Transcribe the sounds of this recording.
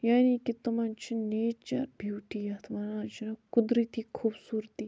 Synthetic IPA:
jaːnikit̪ɐmãːnt͡ʃʰineːt͡ʃɐ̰ɾbʱjuːʈiːjɐt̪ʰʋanãːt͡ʃinɐkʊd̪ɾit̪ʰiːkʰuːbsuːɾt̪iː

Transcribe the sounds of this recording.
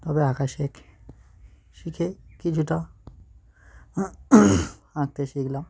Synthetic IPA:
t̪ɔbeakaʃek | ʃikʰekit͡ɕʰuʈa | hãk̚t̪eʃikʰlam

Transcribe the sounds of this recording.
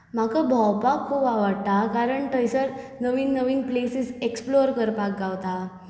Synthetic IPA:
m̤akəbʱawpakʰːubaʋəɽt̪akaɾəɳʈəjsəɾ | nəʋiːnːəʋiːŋɡplesiseksploɾkəɾpak̚ɡaʋt̪a

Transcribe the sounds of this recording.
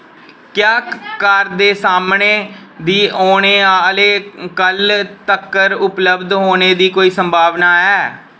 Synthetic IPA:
kjaːkəɾd̪eːsaːmɳeːd̪iːoːɽ̃eːleːkəlt̪əkːəɾʊpləbd̪ɦoːneːd̪iːkoːiːsəmbʱaːʋnaːɛː

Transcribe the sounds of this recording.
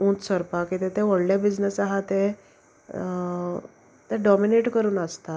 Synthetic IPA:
ũt̪səɾpakit̪ʰet̪ʰeʋɔɽɖjabid͡znəsaɦat̪e | t̪eɖɔmineʈkəɾuːnəst̪a

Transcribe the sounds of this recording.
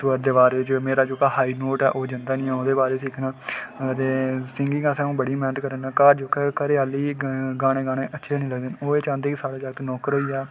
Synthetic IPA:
səɾd̪eːbaːɾeːt͡ʃmeːɾaːd͡ʒoːkaːhaːiːnoːʈɛ̰ːʔoːd͡ʒənd̪aːnĩːɛːoːd̪eːbaːɾeːsiːkʰnaːt̪eːsɪŋɡɪ̃ːɡãːsɛ̃ːũːbəɽiːmɛːnət̪kəɾənaːkaːɾd͡ʒoːkaːkəɾeːaːliːɡaːɽ̃eːɡaːɽ̃eːʔətːʃʰeːnĩːləɡd̪ɪnoːeːt͡ʃãːnd̪eːkɪsaːɽeːd͡ʒaːɡət̪ːnɔːkəɾɦoːiːɛː

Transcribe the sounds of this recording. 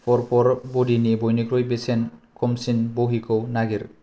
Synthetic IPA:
pɔɾpɔɾbodinibɔjnikɾojbesenkʰɔmsinboɦikownaɡiɾ

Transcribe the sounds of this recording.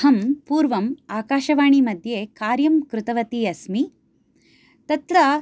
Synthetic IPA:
ɐmpuːɾʋɐmaːkaːʃɐʋaːɳimɐd̪ʱjeːkaːɾjɐmkɾʊt̪ɐʋɐt̪iɐsmi | t̪ɐt̪ɾɐ

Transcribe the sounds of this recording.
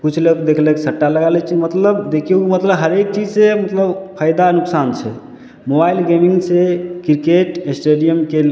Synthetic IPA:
kut͡ʃʰlekd̪ekʰlekesəʈːaləɡalɛt͡ʃʰimət̪ləbd̪ekʰeumət̪ləbɦəɾek̚t͡ʃid͡ʒsemət̪ləbpʰəjd̪anuksant͡ʃʰɛ̰ | mobailɡemiŋɡsekiɾkeʈesʈeɖijəmke

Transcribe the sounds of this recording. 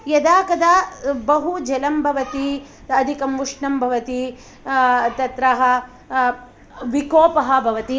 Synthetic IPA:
jɐd̪aːkɐd̪aːbɐɦud͡ʒɐlɐmbʱɐʋɐt̪i | ɐd̪ʱikɐmʋuʂɳɐmbʱɐʋɐt̪i | t̪ɐt̪ɾɐɦɐ | ʋikoːpɐɦɐ̆bʱɐʋɐt̪i

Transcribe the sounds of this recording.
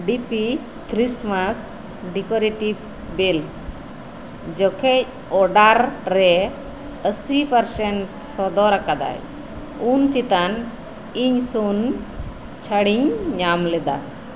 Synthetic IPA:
ɖipi | kʰɾisʈmas | ɖikɔɾiʈi | bels | d͡ʒɔkʰɛ | ɔɖaɾːɛ | əsipəɾsɛɳʈ | sɔd̪ɔɾakad̪a̰j | unt͡ʃit̪an | iɲsun | t͡ʃʰaɽiɲɲamlɛd̪a̰

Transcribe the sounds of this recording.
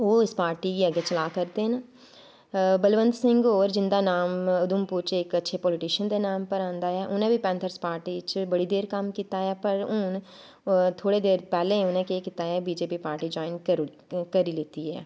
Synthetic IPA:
oːɪspaːɾʈikiəɡet͡ʃəlaːkəɾt̪eɦɛna | bəlʋə̃nd̪sɪ̃ŋɡoːɾd͡ʒɪ̃nd̪aːnaːmʊd̪ʊmpʊɾt͡ʃːkətːʃʰepɔːlɪʈɪʃənd̪eːnaːmpəɾãːnd̪aɦɛːʔʊnẽːbʱipɛ̃ːnt̪ʰəɾspaːɾʈiːt͡ʃbəɽid̪eːɾkɐmkiːt̪aɛːpəɾʊn | t̪ʰoːɽed̪eːɾpɛːlẽʊnẽːkeːkɪt̪aɦɛːbiːd͡ʒeːpipaːɾʈid͡ʒɔːɪn | kəɾiːlɪt̪iɦɛ̰ː

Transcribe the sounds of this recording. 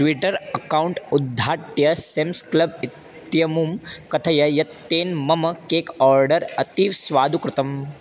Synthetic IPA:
ʈʋiʈɐɾɐkaːwuɳʈud̪ʱːaːʈjɐsemsklɐbit̪jɐmumkɐt̪ʰɐjɐjɐt̪ːeːnmɐmɐkeːkɔːɾɖɐɾɐt̪iːʋsʋaːd̪ʱukɾɪt̪ɐm

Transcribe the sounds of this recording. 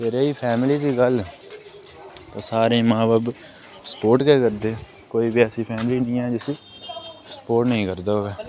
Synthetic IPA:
eːɾeːiːpʰɛːmɪliːd̪iːɡəl | t̪ãːsaːɾẽːmãːbaːb | sə̥poːɾʈkɛːkəɾd̪eː | koːiːbiɛːsiːpʰɛːmɪliːnĩːɛːd͡ʒɪsiː | sə̥poːɾʈnəĩːkəɾd̪aːɦoːɡaː

